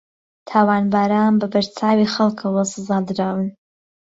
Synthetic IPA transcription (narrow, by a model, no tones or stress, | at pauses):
t̪ʰaːwaːnbaːɾaːnbɐbɐɾt͡sʰaːwixɐlˠkʰɐwɐsɨzaːd̪ɨɾaːwɨn